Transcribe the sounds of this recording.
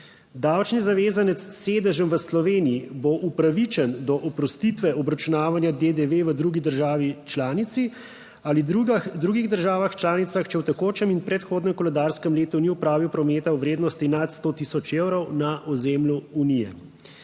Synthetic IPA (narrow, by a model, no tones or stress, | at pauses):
d̪awt͡ʃnizaʋeːzanɛt̪sseːd̪əʒəmʋəslɔʋeːnijiboʔupɾaʋit͡ʃɛnd̪ɔʔɔpɾɔst̪it̪ʋɛʔɔbɾat͡ʃunaːʋanjad̪ed̪eʋeʋəd̪ɾuɡid̪əɾʒaːʋit͡ʃlaːnit̪si | aliud̪ɾuːɡiɣd̪əɾʒaːʋaxt͡ʃlaːnit̪saxt͡ʃɛwt̪ɛkoːt͡ʃɛminpɾɛt̪xoːd̪nɛmkɔlɛd̪aːɾskəmleːt̪uniupɾaːʋiwpɾɔmeːt̪awʋɾeːd̪nɔst̪inat̪st̪ot̪isɔt͡ʃewɾɔwnaʔɔzemljuunijɛ̰